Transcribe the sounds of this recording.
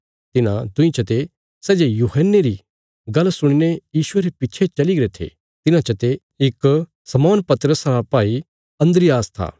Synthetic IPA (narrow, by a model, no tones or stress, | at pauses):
t̪ɪnã̰d̪ʊ̃ĩt͡ʃɐt̪e | sɛːd͡ʒejuːɦənːeɾi | ɡɐlːsʊɽ̃inejiːʃʊeɾepɪtːt͡ʃʰet͡ʃɐliɡɐɾet̪ʰḛː | t̪ɪnãt͡ʃɐt̪e | ɪk | sɐmɔːnpɐt̪əɾəsɾapaːi | ɐ̃nd̪ɾɪjaːst̪ʰa̰ː